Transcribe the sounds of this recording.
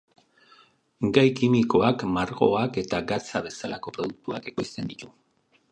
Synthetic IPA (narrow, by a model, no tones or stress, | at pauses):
ɡajkimiko̞akmaɾɣo̞̰ake̞t̪aɡat͡saβe̞salako̞pɾo̞ð̞uk̚t̪ua̰ke̞ko̞jst̪e̞nd̪it̪u